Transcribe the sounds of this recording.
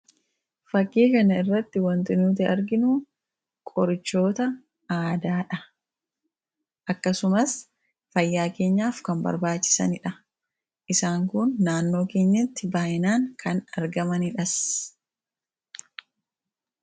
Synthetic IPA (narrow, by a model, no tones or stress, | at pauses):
fɐkːiːkɐnɐɪrːɐt̪ːɪwɐnt̪ɪnuːt̪̬ɪʔɐɾɡɪnu | kʼɔɾɪt͡ʃːo̞ːt̪ɐ | aːd̪aːᶑɐ | ʔɐkːɐsʊmɐs | fɐjːaːke̞ːɲːaːfkɐmbɐ̰ɾbaːt͡ʃːɪ̥sɐ̰nɪᶑɐ | ʔɪsaːŋkʊnːaːnːo̞ːke̞ːɲːɐt̪ːɪbaːjɪnaːŋkʰɐnɐɾɡɐmɐnɪᶑɐs